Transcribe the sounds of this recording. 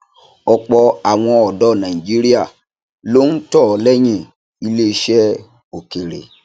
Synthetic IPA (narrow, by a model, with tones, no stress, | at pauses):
ɔ˧k͡pɔ˧a˨w̃ɔ̃˧ɔ˨dɔ˨˦˨nã˨ĩ˨d͡ʒi˦ɾi˦a˦˨ | lo˦n̩˦tɔ˦˨lɛ˦j̃ĩ˦˨ | i˧le˦i˧˦ʃɛ˦ | o˨ke˨ɾḛ˨